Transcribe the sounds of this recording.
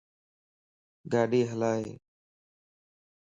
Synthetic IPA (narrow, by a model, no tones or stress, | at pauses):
ɡaːɗiːɦəlaːɦḛː